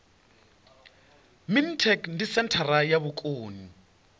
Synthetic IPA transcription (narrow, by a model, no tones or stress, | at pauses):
mintʰɛkndisɛntʰaɾajaβukʼoːni